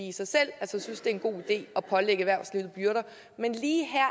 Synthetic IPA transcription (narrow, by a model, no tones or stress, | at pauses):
iːsɑ̈ɪsel̰ælsəsynsd̥e̝æenɡ̥o̝̰ːid̥e̝̰ːɒ̽pʰɒ̽leɡ̥əʋæɐ̰sliʊð̩ˠb̥jyɐɾ̥ɐ | menliːɦæɐ̰